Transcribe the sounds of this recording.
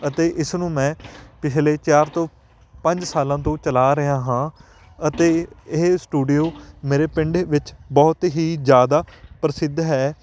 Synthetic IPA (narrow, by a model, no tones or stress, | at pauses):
ət̪eːʔɪsnũːmɛ̃ːpɪt͡ʃʰleːt͡ʃaːɾt̪õː | pəɲd͡ʒsaːlãːt̪õːt͡ʃəlaːɾəɦaːɦãː | ət̪eːɪɦsʈuːɖijoːmeːɾeːpɪɳɖeʋɪt͡ʃbɔːt̪ɦiːzjaːd̪aːpɾəsɪd̪ʱɦɛː